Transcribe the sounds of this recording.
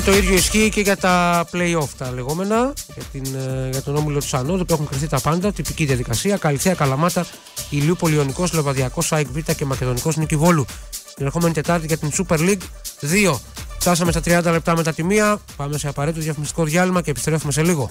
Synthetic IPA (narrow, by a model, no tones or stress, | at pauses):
t̪o̞iðʝo̞isçiːce̞ʝɐt̪ɐple̞io̞ft̪ɐle̞ɣo̞me̞nɐʝɐt̪inʝɐt̪o̞no̞milo̞t̪u̥sɐnot̪ðopuexuŋkɾiθit̪ɐpɐnd̪ɐt̪ipiciðijɐðikɐsiɐkɐliθeɐkɐlɐmɐt̪ɐ | iliupo̞lio̞niko̞slevɐðiɐko̞sɐjkvit̪ɐce̞mɐce̞ðo̞niko̞snicivo̞lut̪inexo̞me̞nit̪e̞t̪ɐɾt̪iʝɐt̪insupe̞ɾliɡ | ðio̞ft̪ɐs̬ɐmest̪ɐt̪ɾiɐnd̪ɐle̞p̚t̪ɐme̞t̪ɐt̪imiɐpɐme̞se̞ɐpɐɾet̪t̪oðjɐfmist̪i̥ko̞ðʝɐlimɐce̞pi̥st̪ɾe̞fume̞se̞liɣo̞